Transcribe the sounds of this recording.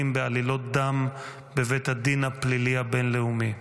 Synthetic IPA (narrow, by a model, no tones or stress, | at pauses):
imbealilo̞t̪̚d̪am | bevet̪had̪inhapliliabenleumi